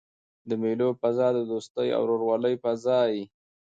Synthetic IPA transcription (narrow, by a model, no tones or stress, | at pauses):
d̪əmelopazɑd̪əd̪ost̪əja̰wɾoɾwɑləjpazɑj